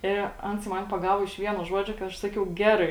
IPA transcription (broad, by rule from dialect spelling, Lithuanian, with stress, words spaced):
ɪ ˈɐns ˈmɐn pɐˈɡɑːʋoː ɪʃ ˈʋʲiɛnoː ˈʒuɔd͡ʒʲoː kɐɪ ˈɐʃ ˈsɑːkʲɛʊ ˈɡʲæːrɐɪ